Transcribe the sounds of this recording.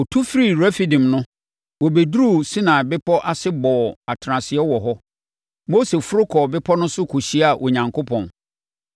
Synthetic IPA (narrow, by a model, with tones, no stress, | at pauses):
ɔ˨tʰu˦fɾi˨ɾɛ˦fi˨dĩ˨mnʊ̃˦ | wɔ˨be˨du˦ɾu˦˨si˦nã˨bɪ˦pʰɔ˦ʔa˦sɪ˦bɔː˨a˨tʰɾã˨sɪ˨ɛ˦wɔ˨ɦɔ˦ | mo˦se˨fʊ˦ɾʊ˦kʰɔ˨bɪ˦pʰɔ˦nʊ̃˦sʊ˦kʰu˨ɕi˦a˨ʔɔ˨ɲã˨ŋkʰo˦pʰɔ̃˨n